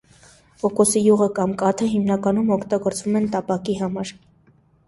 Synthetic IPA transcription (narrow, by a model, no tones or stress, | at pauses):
ɔkɔsijuʁəkɑmkɑt̪ʰəɦimnɑkɑnumɔkʰt̪ɑɡɔɾt͡svumɛnt̪ɑpɑkiɦɑmɑɾ